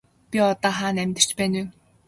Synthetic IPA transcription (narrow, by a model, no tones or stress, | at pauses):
pʲiɔt̪ɔːχaːnæmʲt̪ɪ̆r̥t͡ɕpæːnu